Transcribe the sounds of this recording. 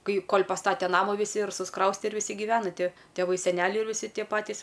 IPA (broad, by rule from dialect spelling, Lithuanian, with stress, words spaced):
ˈkɐɪ ˈkoːlʲ pɐˈstɑːtʲɛ ˈnɑːmʊ ʋʲɪˈsʲɪ ɪr sʊsˈkrɐʊsʲtʲɛ ɪr ʋʲɪˈsʲɪ ɡʲɪˈʋʲæːnɐ ˈtʲɪ tʲeːˈʋɐɪ sʲɛˈnʲæːlʲɛɪ ɪr ʋʲɪˈsʲɪ ˈtʲiɛ ˈpɑːtʲiːs